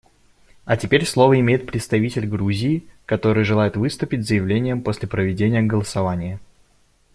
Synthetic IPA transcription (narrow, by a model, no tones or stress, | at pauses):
ɐtʲɪpʲeɾʲslˠo̞vəɪmʲejɪt̪̚pɾʲɪt̪st̪ɐvʲitʲɪlʲɡɾuzʲɪːkɐt̪o̞ɾɨjʐɨlˠajɪt̪vɨst̪ʊpʲɪt̚ʲzəjɪvlʲenʲɪjəmpo̞sʲlʲɪpɾəvʲɪdʲenʲɪjəɡəlˠəsɐvanʲɪjɪ